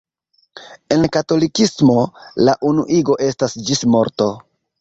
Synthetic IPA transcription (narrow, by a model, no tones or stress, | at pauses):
e̞nkato̞likismo̞laʔunuʔiɡo̞ʔe̞stasd͡ʒismo̞ɾto̞